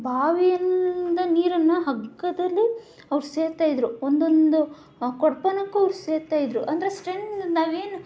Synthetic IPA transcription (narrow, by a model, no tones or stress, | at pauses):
bʱaːʋijɐnd̪ɐniːɾɐnːɐɦɐɡːɐd̪ɐlːi | ɐʋɐɾuse̞ːɾt̪aːjid̪ɾuond̪o̞nd̪u | kɔɽpɐnɐkːuɐʋɾuse̞ːɾt̪aːjid̪ɾuʔɐnd̪ɐɾesʈɾent̪naːʋeːnu